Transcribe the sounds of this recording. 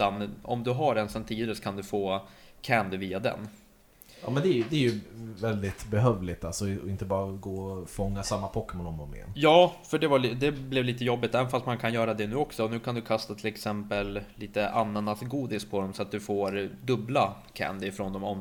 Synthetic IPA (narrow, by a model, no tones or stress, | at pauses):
t̪anɔ̰md̪ɵɦaɾɛnsɛnt̪ʰiːd̪əɾəskʰand̪ɵfoːkʰænd̪viːad̪ɛ̰n | ɑ̰ːmɛnd̪ɛæɾjd̪ɛːɾjɵvɛld̪ɪt̪bɛɦœːvlɪt̪alsɔɪnt̪əbɑːɾaɡoːɔfɔŋːasamːapʰɔkːɛmɔnɔmɔmɛ̰ːnjɑːfœɖɛvald̪ɛblɛvliːt̪əjɔbːɪt̪ɛvənfast̪̚mankʰanjœːɾad̪ɛnʉ̟ːɔksɔnʉ̟ːkʰand̪ɵkʰast̪at̪ʰɪlɛksɛmpəlliːt̪əʔanːanasɡuːd̪ɪspʰɔd̪ɔmsɔat̪̚d̪ɵfoːɾd̪ɵbla | kʰæ̰nd̪ɪfɾond̪ɔmɔm